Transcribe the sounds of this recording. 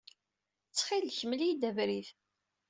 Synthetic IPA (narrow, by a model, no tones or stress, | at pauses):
t͡sːχilçəmliid̪ævɾiθ